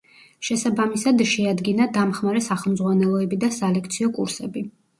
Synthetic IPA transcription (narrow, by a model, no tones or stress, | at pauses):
ʃɛsabamisad̪ʃɛad̪ɡinad̪amχmaɾɛsaχɛlˠmd̪zʁwanɛlˠɔɛbid̪asalɛk̚ʰt̪sʰiɔkʼṵɾsɛbi